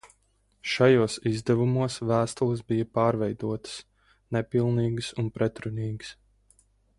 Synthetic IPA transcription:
ʃajuɔsizd̪ɛvumuɔsvæːst̪ulˠɨsbijɐpaːɾvɛjd̪uɔt̪ə̥s | nɛpilˠniːɡɨsunpɾɛt̪ɾunʲiːɡs

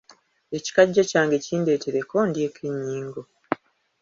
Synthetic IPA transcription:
e̞ci̥kaɟːecaːŋɡe̞ciːnde̞ːteɾekʰo̞ndje̞ːkʰiɲːiːŋɡo

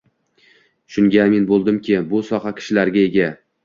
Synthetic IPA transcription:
ʃʊŋɡʲamenbolˠd̪ɪmkʲɪbʊsɒχɑkʲʰɪ̥ʃɪlaɾɡʲae̞ɡʲa

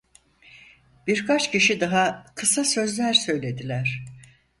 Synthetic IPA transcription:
b̥iɾkʰat͡ʃcʰiʃid̪aɦakʰɯsasø̞zlʲæɾsø̞jlʲe̞d̪ilʲæɾ̝̥

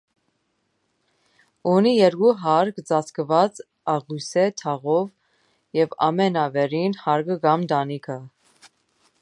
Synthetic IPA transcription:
unijɛɾɡuɦɑɾkʰd͡zɑt͡sʰkəvɑt͡s | ɑʁujsɛt̪ʰɑʁɔv | jɛvɑ̰mɛnɑvɛɾinhɑɾɡəɡɑmd̪ɑnikʰə

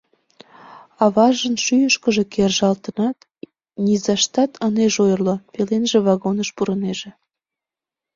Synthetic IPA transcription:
ɑβɑʒənʃyjəʃkəʒekerʒɑlt̪ənɑt̪ | nʲizɑʃt̪ɑt̪ʰəneʒojərlopelenʒeβɑɣonəʃpuɾəneʒĕ

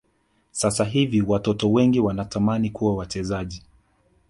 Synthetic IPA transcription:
sasaɦiviwatɔtɔwɛŋɡiwanatamanikuwawat͡ʃɛzaʄi

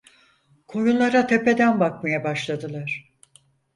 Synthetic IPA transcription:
kʰo̞junlˠaɾat̪ʰe̞pe̞d̪ænbak̚majabaʃlˠad̪ɯlˠaɾ̥

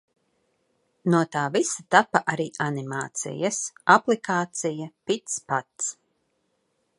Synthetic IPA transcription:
nuɔt̪aːvisat̪apaʔaɾiːʔanima̰ːt̪sḭjɐsaplikaːt̪sijapit̪spat̪s

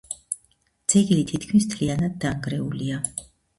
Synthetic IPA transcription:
d̪z̥ɛɡilit̪ʰit̪̚ʰkʰmist̪ʰlianad̪̚ːaŋɡɾɛulia

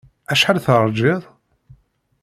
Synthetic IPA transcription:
æʃħalθəɾˤd͡ʒɪðˤ

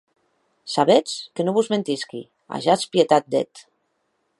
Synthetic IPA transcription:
saβet͡skenoβuzment̪iskḭ | a̰ʒaspjet̪at̪̚d̪ḛt̪

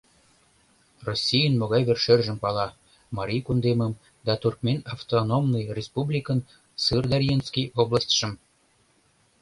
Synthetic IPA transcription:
rosʲːijənmoɣɑjβerʃørʒəmpɑlɑ | mɑɾʲijkund̪eməm | d̪ɑt̪urkmenɑft̪onomnɨjrʲespublʲikən | sɨrd̪ɑɾʲjenskijoblˠɑsʲt̪ʲʃə̆m

